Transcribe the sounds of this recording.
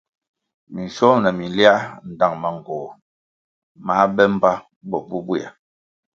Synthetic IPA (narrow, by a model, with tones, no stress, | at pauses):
mi˨n˨sɔ˦mnə˨mi˨n˨lja˦n̩˨da˨ŋma˨ŋ˨ɡɔː˨ | ma˨˦bɛ˦m̩˦ba˦ | bɔ˨bu˦bwa̰˨